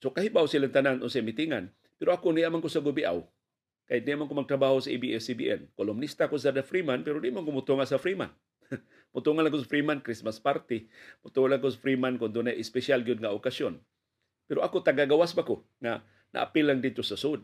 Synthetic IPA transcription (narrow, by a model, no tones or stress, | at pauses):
sokahibawsilaŋt̪ananʊnsamit̪iŋan | pɛɾoakoniʔamankosaɡʊbiʔa̰w | kajt̪̚diamankomaɡ̚t̪ɾabahosaʔibiʔɛsibḭʔɛ̰nkolʊmnist̪akos̬ad̪afɾimanpɛɾodiʔmonkomʊt̪uŋasafɾima̰n | mʊt̪uŋanlaŋkʊs̬afɾimankɾismaspaɾt̪ɪmʊt̪ulaŋkosafɾimankʊnd̪unajʔɪspɛsalɡjʊd̪̚ŋaʔokasjon | pɛɾoʔakot̪aɡaɡawasbako | ŋa | nʔa̰ʔa̰pɪlaŋd̪ɪd̪̚t̪osasud̪̚